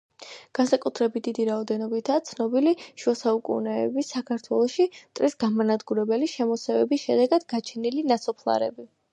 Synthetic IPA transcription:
ɡ̥ansakʼut̪ʰɾɛbit̪̚d̪id̪iɾaɔd̪ɛnɔbit̪ʰaːt̪sʰnɔbiliʃuɛsaukʼṵnɛːbisakʰaɾt̪ʰwɛlˠɔʃimt̪ʼɾisɡamanad̪ɡuɾɛbɛliʃɛmɔsɛvɛbisʃɛd̪ɛɡad̪̥ɡat͡ʃʰɛnilinasɔpʰlˠa̰ɾɛ̰bi

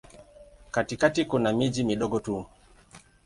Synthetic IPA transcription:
katikatikunamid͡ʒimiɗɔɡɔtu

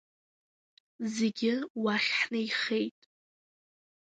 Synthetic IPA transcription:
zeɡʲɪwaχʲħnaiχe̞jtʼ

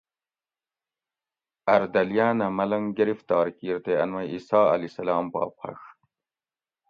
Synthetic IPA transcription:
ɐɾd̪ɐljaːnɐmɐlɐŋɡɐɾift̪ɑːɾkiːɾt̪eɐnmɐiːsaːɐ̰lisɐlaːmpɑ̰ːpχɐ̰ʂ

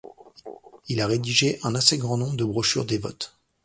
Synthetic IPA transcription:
ilaʁed̪iʒeʔɛ̃naseɡʁɑ̃nɔ̃bʁd̪əbʁɔʃy̰ʁd̪evɔ̰t̪

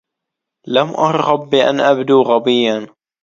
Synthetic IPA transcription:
lamʔɑɾˤhɑbːiʔa̰nʔabd̪uːɣabɪjːan

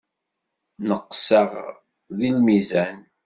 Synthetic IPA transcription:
nəqːsəʁ | ðilmizæn

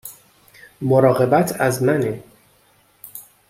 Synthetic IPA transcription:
moɾɒːɣe̞bæt̪ʰæzmæne

